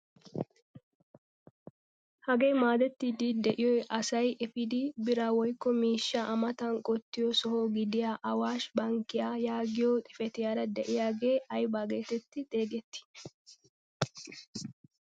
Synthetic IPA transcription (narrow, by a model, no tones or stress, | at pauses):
hɐɡeːmaːd̪ɛt̪ːɪd̪ɪd̪ɛʔɪjɔjʔɐsɐjɛfɪd̪ɪbɪɾɐwɔjkːɔmiːʃːɐʔɐmɐt̪ɐŋkʼɔt̪ːɪjɔsɔhoːɡɪd̪ɪjaʔɐwaːʃbɐŋkːɪjajaːɡɪjoːt̪ʼɪ̥fɛt̪ɪjaːɾɐd̪ɛʔɪjaːɡe̞ːʔɐjbaːɡe̞ːt̪ɛt̪ːɪd̪e̞ːɡɛt̪ːɪ̥